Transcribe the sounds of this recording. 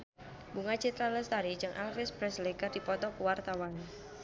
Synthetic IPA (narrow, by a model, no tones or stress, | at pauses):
buŋat͡ʃit̪ɾaləst̪aɾi̥d͡ʒɨŋʔa̰lfɪspɾɛsleɡərdipɔt̪ɔkuwart̪awan